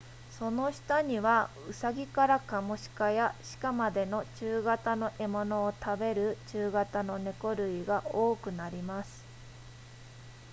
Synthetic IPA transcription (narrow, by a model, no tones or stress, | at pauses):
so̞no̞ɕi̥t̪aɲ̟iβa | ɯ̟saɡʲikaɾakamo̞ɕi̥kajaɕi̥kamad̪e̞no̞t͡ɕɨːɡat̪ano̞ʔe̞mo̞no̞ːt̪abe̞ɾɯ̟t͡ɕɨːɡat̪ano̞ne̞ko̞ɾɯ̟iɡaʔo̞ːkɯ̟naɾʲimasɨ̥